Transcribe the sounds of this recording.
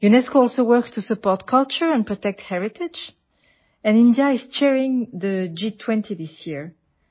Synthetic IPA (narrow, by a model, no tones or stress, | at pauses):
junɛskoɔlˠsowɜ˞kstʰusəpɔɹtkʰʌlt͡ʃə˞ɛ̃npʰɹɔt̪ɛk̚thɛɹɪtɪd͡ʒ | ɛ̃nɪ̃ndjaɪz̥t͡ʃɛɹɪ̃ŋðəd͡ʒitʰw̥ɛ̃ntʰiðisjiɹ